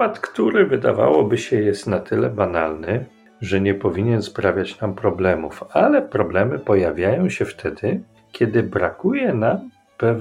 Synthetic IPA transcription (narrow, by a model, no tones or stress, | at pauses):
at̪kt̪uɾɘvɘd̪a̰va̰wɔbɘɕɛjɛst̪nat̪ʰɘlɛbana̰lnɘ | ʐɛɲɛpɔvʲiɲɛnspɾavʲjat͡ɕnampɾɔblɛmufalɛpɾɔblɛmɘpɔjavʲjajɔ̃w̃ɕɛft̪ʰɛd̪ɘ | kʲʰɛd̪ɘbɾakujɛnam | pɛv